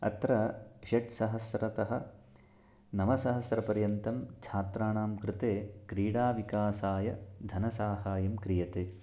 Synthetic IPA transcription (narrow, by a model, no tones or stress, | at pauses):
ɐ̰t̪ɾɐʃɐʈsɐɦɐsɾɐt̪ɐɦɐ̆ | nɐʋɐsɐɦɐsɾɐpɐɾjɐnt̪ɐmt͡ʃʰaːt̪ɾaːɳaːmkɾɪt̪eːkɾiːɽaːʋikaːsaːjɐd̪ʱɐnɐsaːɦaːjɐmkɾijɐt̪eː